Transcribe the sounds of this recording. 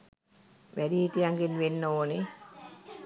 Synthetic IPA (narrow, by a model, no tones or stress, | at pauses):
ʋædiːt̪ijaŋɡinʋenːooni